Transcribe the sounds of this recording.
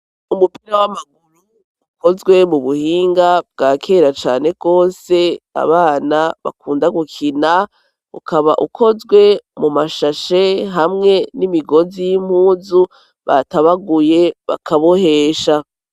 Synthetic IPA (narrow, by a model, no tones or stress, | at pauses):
umupiɾawamaɡ̚uɾu | uko̞zɡwe̞muβuhiːŋɡab̚ɡaːkʰe̞ɾat͡ʃaːneɡɡo̞ːse̞a̰βaːnaβa̰kuːndaɡukʰina | ṵkaβaʔukʰo̞zɡwe̞mumaʃaʃeɦamŋe̞nimiɡo̞zijim̥huːzu | βa̰taβaɡuje̞βa̰kʰaβohe̞ʃa